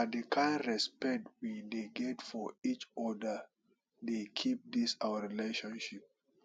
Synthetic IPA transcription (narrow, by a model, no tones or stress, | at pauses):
adekʰãɪ̃ndɹɛspɛk̚twideɡɛtfɔit͡ʃɔdə | dekʰip̚d̪isawəɹileʃɔ̃nʃip̚